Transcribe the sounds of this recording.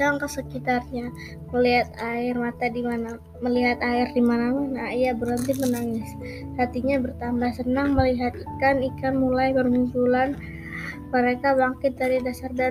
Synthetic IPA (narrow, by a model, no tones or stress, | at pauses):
aŋkəsəkit̪arɲa | məliɦat̪̚aɪrmat̪adimana | məliɦat̪aɪrdimanamanaijabəɾənt̪ɪmənaŋɪs | hat̪iɲabərt̪ambahsənaŋməliɦat̪ikanikanmulajpərmupulan | məɾekaβaŋkɪt̪̚daɾidasarda